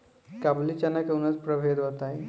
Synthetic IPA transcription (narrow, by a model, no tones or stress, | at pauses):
kablit͡ɕanakəwnət͡spɾəʋʱed̪ɦot̪ai